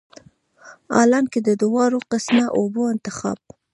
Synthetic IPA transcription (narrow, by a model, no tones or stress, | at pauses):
ɑ̰lanked̪əd̪ʊwɑɾoqɪsmaʔoboɪnt̪ɪxɑ̰b̚